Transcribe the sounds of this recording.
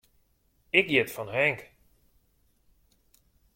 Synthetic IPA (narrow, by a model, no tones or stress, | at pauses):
ɪkjɪtfɔnɦɛŋk